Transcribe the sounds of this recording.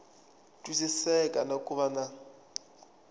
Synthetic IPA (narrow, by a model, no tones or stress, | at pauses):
tʼwisisɛkʼanakʼuβana